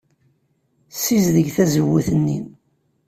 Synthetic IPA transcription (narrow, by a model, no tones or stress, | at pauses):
sizðəʝθæzəwːuθənːḭn